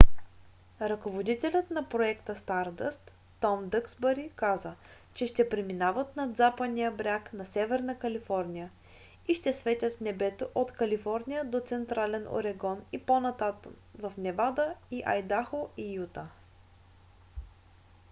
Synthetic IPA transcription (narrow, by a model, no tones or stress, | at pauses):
ɾɐkovod̪it̪ɛlʲət̪nɐpɾoɛkt̪əst̪aɾd̪əst̪ː | ɔmd̪ɤksbəɾikazə | t͡ʃɛʃt̪ɛpɾiminavət̪nɐd̪zapənijəbɾʲaknɐsɛvɛɾnəkɐlifɔɾnʲijə | iʃt̪ɛsvɛt̪ʲət̪fnɛbɛt̪oʔot̪kɐlifɔɾnijəd̪ot̪sɛnt̪ɾalɛno̰ɾɛɡɔniponɐt̪at̪ | vɐfnɛvad̪əiʔɐjd̪axoijut̪ə